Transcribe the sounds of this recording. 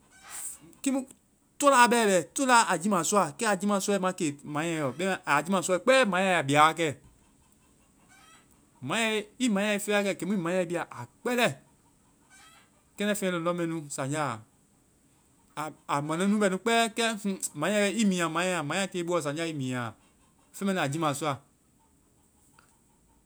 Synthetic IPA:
ki˦ũ˦ | tɔ˦laː˦˨˧bɛː˦˨bɛ˨to˦la˦a˨d͡ʒi˦mã˨su˦a˨kɛ˦a˨d͡ʒi˦mã˨smã˧˦ke˨mã˨˦jɛ̃˧˨jɔ˨ɓɛ˦ɛ̃˨ʔa˨d͡ʒi˦mã˨su˦˧˦k͡pɛː˦mã˨˦ɛ̃˧˨a˨bi˨a˨˦˨kɛ˧˨ | mã˨˦jɛ̃˧˨i˦mã˨˦jɛ̃˧i˧fe˦a˨˦˨kɛ˧˨ke˨˦mũ˦i˦mã˨˦jɛ̃˧i˦bi˧˦a˨ʔa˨k͡pɛ˦lɛ˦˨ | kɛ̃˦nɛ̃˦fẽ˦ɛ̃˧e˧˨lɔ̃˦mɛ̃˧˦nũ˧˦sã˨ɲd͡ʒa˦˨ | a˨mɛ̃˨nɛ̃˨˦nũ˦ɓɛ˧˨nũ˦k͡pɛː˦kɛ̃˦h̩˦mã˨˦ɛ̃˧˦˧i˦mĩ˨ã˨mã˨˦ɛ̃˦ã˨mã˨˦ã˦˨te˨˧˦ɓu˦ɔ˨s̬ã˨˦a˦i˦mĩ˨ã˨ | fẽ˦ɛ̃˦nĩ˨a˨d͡ʒi˦mã˨su˦a˨

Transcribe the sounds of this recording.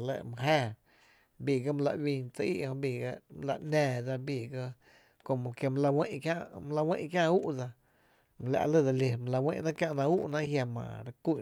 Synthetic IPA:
lə̰˧˨mə̃˧ɦeː˧˨ | bi˧˨ɡa˦m̃˧la˧ʔwĩ˧nt͡sə˧ḭ˦ʔhõ˧biː˧˨ɡa˧m˧la̰˧˨nɛ̃ː˧d͡za˧biː˧˨ɡə˧ | ko˧mõ˨ke˧mã˧la˧wẽ˦ʔkjã˦ʔm˧la˧wẽ˦ʔkjã˦ʔu˦ʔd͡za˧ | mə̃˧la̰˧ʔlə˦˧˨da˧le˧mə̃˧la˧wḛ̃˦˧ʔnã˦kjã˧ʔnã˧u˦ʔnã˦ʔɦja˧mã̰˨ɾa˧ku˦˧˨

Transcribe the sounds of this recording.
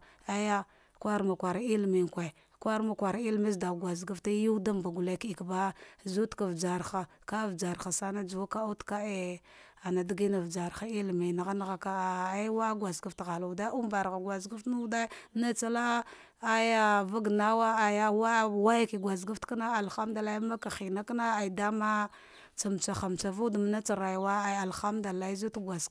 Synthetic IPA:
a˨ja˦ | kʷa˦ɾma˨kʷa˨ɾa˨i˦lmi˨ŋ˨kʷa˨ | kʷa˦ɾma˨kʷa˨ɾa˨i˦lmi˦zda˨ɡwa˨zɡa˦fta˦ju˦da˦mba˨ɡu˨la˦ki˨kba˦zu˦tka˨vd͡ʒa˨ɾxa˨ka˦˨vd͡ʒa˨ɾxa˨sa˦na˦d͡ʒu˨wa˦ka˦a˦tka˦e˨ | a˨na˨di˦ɡi˦na˨vd͡ʒa˨ɾxa˦i˦lmi˨na˨ɣa˦n˦ɣa˦ka˦˨a˦wa˦ɡwa˨zɡa˨˦ftɣa˨lu˨da˦u˦mba˨ɾɣa˨ɡwa˨zɡa˦ftnu˦da˦m˦na˦t͡sa˦la˦ | a˦ja˦va˦ɡna˦wa˦a˨ja˦wa˦wa˦ja˦ki˨ɡwa˨zɡa˦ftka˦na˦a˨lxa˦mda˨la˦ji˦ma˦ka˨xi˨na˦kna˦a˨i˨da˦ma˦ | t͡sa˨m˨t͡ʃa˨xa˨m˨t͡ʃa˨vu˦dm˦na˦t͡sa˨ɾa˨jwa˦a˨a˨lxa˦mda˨la˦i˦zu˦tɡʷa˨z

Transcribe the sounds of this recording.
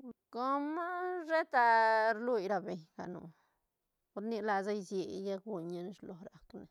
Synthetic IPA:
ko˦ma˦ʐe˦t̪a˧ɾlu˧jɾa˧be˨ɲɡa̰˨nṵ˨ | ko˦ɾni˧la˧za˦jzje˧˨˧ja˦kɡu˧ɲa˧n˦ʂlo˨ɾa˨kne˨

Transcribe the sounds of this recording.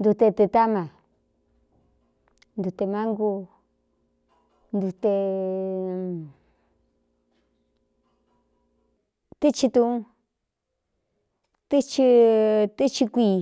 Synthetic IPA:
nd̪u˧t̪e˧t̪e˧t̪a˦mã˨ | nd̪u˧t̪e˧mã˦ŋɡu˧ | nd̪u˧t̪e˧ | t̪i˦t͡ʃi˧t̪ũ˧ũ˦ | t̪i˦t͡ʃi˧t̪i˦t͡ʃi˧kʷi˧

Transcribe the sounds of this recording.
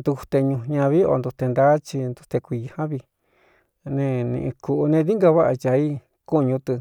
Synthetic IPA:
nd̪u˧u˧t̪e˧ɲũ˧ɲã˧βi˦o̰˧nd̪u˧t̪e˧nd̪a˦t͡ʃi˧nd̪u˧t̪e˧kʷi˧hã˦βi˧ | nẽ˧nḭ̃˧ʔĩ˧ku˧ʔu˧nẽ˧ði˦ŋɡa˧βa˦ʔa˧t͡ʃa˧i˦ | ku˦˧ɲũ˧t̪ɨ˧

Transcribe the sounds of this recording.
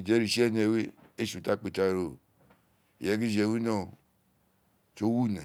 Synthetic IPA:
d͡ʒe˦ɾi˨ʃi˦e˦˨ne˨˦we˦ | e˦ʃu˨ta˦˨k͡pi˨ta˦˨ɾo˨ | je˨ɡi˦d͡ʒe˨wi˦no˦˨ | t͡ʃo˦wu˦na˨

